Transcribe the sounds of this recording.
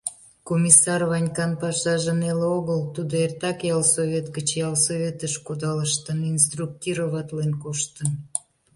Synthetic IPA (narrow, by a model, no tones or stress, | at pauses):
komʲisɑrβɑnʲkɑnpɑʃɑʒəneloɣəlt̪ud̪oert̪ɑkjɑlsoβʲet̪ɡət͡ɕjɑlsoβʲet̪əʃkud̪ɑləʃt̪əninst̪ruk̚t̪iɾoβɑt̪lenkoʃt̪ən